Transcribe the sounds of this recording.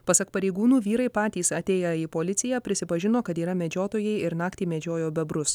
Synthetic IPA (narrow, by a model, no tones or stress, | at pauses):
pɐsɐkpɐɾʲɛɪɡuːnuːʋʲiːɾɐɪpɑːt̪ʲiːsɐt̪ʲeːjɛiːpoːlʲɪt̪sʲɪjæːpʲɾʲɪsʲɪpɐʒʲɪnoːkɐt̪iːɾɐmʲɛd͡ʒʲoːt̪oːjɛɪɪɾnɑːkt̪ʲiːmʲɛd͡ʒʲoːjoːbʲɛbɾʊs